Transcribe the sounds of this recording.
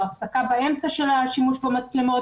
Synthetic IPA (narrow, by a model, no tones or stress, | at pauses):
afsakabae̞mt͡saʃe̞laʃimuʃbamat͡slemo̞